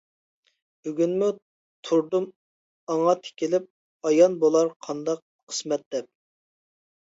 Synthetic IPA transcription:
byɡʲynmu | t̪ʰuɾd̪um | ɑŋɑt̪ʰe̥kʲilɪp̚ | ɑjɑnbolˠɑɾqʰɑnd̪ɑq̚ | qʰəsmɛt̪̚d̪̥ɛp̚

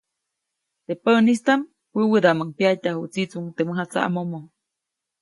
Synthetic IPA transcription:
t̪epənist̪am | wɨwəd̪aməŋpjat̪ahuʔt͡sit͡suŋt̪eməɦat͡sa̰ʔa̰momo

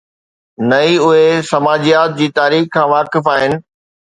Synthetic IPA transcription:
nɐiʊɦesɐmaːd͡ʑijaːt̪̚d͡ʑiːt̪aːɾiːxkʰãːʋaːkɪfaːɦɪnɪ̆

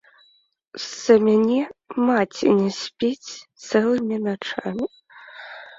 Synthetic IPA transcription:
zɐmʲanʲɛmat͡sʲḭnʲɛsʲpʲit͡sʲt̪sɛlˠɨmʲinat͡ʂamʲi

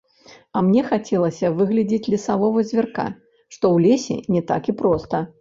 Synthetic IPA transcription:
ɐmnʲɛxat͡sʲɛlˠɐsʲɐvɨɣlʲɐd͡zʲit͡sʲlʲɛsavɔvɨzʲvʲɛrka̰ | ʂt̪ɔwlʲesʲɛ̰nʲɛt̪a̰kipɾɔst̪ɐ

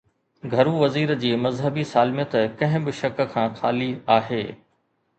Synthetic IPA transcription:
ɡʱɐɾuʋɐziːɾd͡ʑiːmɐzɦəbisaːlmijət̪kɐ̃ɦɪ̃bɪʃɐk̆kʰãːxaːliaːɦeː

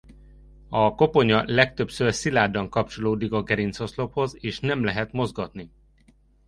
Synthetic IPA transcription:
ɒko̞po̞ɲɒlɛk̚t̪øpsøːrsilaːd̪ɒŋkɒp̚t͡ʃo̞loːd̪ikɒɡɛɾint̪so̞slo̞pho̞zeːʃnɛmlɛɦɛt̪mo̞zɡɒt̪ni

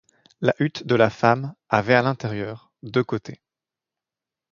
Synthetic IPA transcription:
laʔyt̪d̪əlafamavɛalɛ̃t̪ɛʁjœːʁ | d̪økot̪ʰe

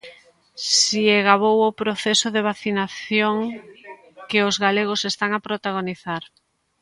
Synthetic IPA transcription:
sieɣaβowopɾoθesʊðeβ̞aθinaθjoŋ | kɪʊzɣaleɣ̞ʊsest̪aŋapɾot̪aɣ̞oniθaɾ

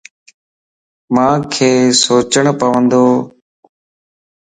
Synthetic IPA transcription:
mãːkʰeːsoːt͡ʃəɳ̃pəʋə̃nd̪oː

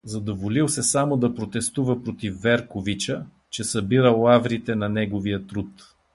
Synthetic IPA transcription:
zɐd̪ovolilˠsɛsamod̪ɐpɾot̪ɛst̪uvəpɾot̪ifːɛɾkovit͡ʃə | t͡ʃɛsɐbiɾəlˠːavɾit̪ɛnɐnɛɡovijət̪ɾut̪

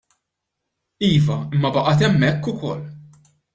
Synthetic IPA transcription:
iːvɐɪmːɐbɐʔɐt̪ɛmːɛkːʊkɔlː

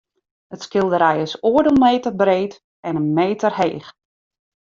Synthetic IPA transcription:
ətskɪlˠdəɾɛjəsoːədəlˠmeːtərbreːt | ɛnənmeːtərhḛːx

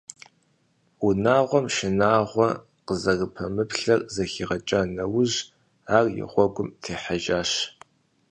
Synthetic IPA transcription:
unaːʁʷɔmʃɪnaːʁʷɔ | qəzɐrɨpʰɐmɨpɬɐrzɐxiːʁɐt͡ʃʼanɐwʊʑ | aːrjɪ̰ʁʷɔɡʷʊmtʰeːħaʒaːʃ

